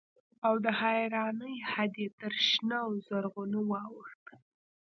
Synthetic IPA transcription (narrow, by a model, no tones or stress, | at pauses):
awd̪əhajɾɑnəjhad̪et̪əɾʃnawzaɾɣunəwɑwəxt̪